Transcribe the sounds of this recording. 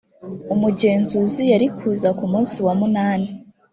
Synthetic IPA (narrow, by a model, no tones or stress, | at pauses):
umuɟe̞ːnzuzijaɾikuːzakumuːnsiwamunaːni